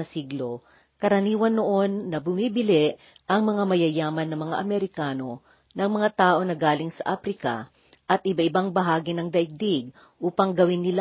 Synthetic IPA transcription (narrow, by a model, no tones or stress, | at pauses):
ɐsiɡlo | kɐɾɐniːwɐnːoʔo̞nːɐbʊmibɪlɛʔ | ʔɐŋmɐŋamɐjɐjaːmɐnːɐmɐŋa̰ʔɐmɛɾɪkaːno̞ | nɐŋmɐŋat̪aːʔo̞nɐɡaːlɪŋsɐʔaːfɾɪkɐ̰ | ʔɐt̪ʔɪbaʔɪbaŋbɐɦaːɡinɐŋd̪ɐʔɪɡ̚d̪iɡ̚ | ʔuːpɐŋɡɐwɪnːɪl